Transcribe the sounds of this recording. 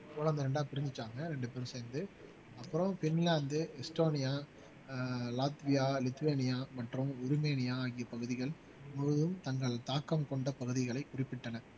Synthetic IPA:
kʊɭɐnd̪ɐɾɛɳɖaːpɪɾɪnd͡ʒɪt͡ʃːaːŋɡɐɾɛɳɖɯpɛɾɯ̃mseːnd̪ɯ | ɐpːɯɾɐ̃mfɪnlaːnd̪ɯɛsʈoːnɪjaː | laːt̪ʋɪjaːlɪt̪ːʊʋeːnɪjaːmɐʈrɯ̃mʊɾʊmeːnɪjaːaɣɪjɐpɐɣɯðɪɣɐɭ | mɔɯðɯmt̪ɐŋɡɐɭt̪aːkːɐmkɔɳɖɐpɐɣɯðɪɣɐɭɐɪkʊrɪpːɪʈːɐnɐ

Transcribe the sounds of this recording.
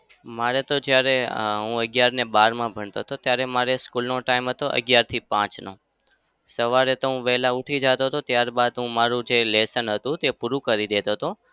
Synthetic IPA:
maɾet̪od͡ʒjaɾeɦũəɡjaɾnebaɾmãbʱəɳt̪oɦt̪ʰot̪jaɾemaɾeskulnoʈaimɦət̪oʔə̰ɡjaɾt̪ʰipãt͡ʃno̰ | səʋaɾet̪oɦũʋɛɦlauʈʰid͡ʒat̪ot̪ʰot̪jaɾbad̪ɦũmaɾũd͡ʒelesənɦət̪ũt̪epuɾũkəɾid̪et̪ot̪o

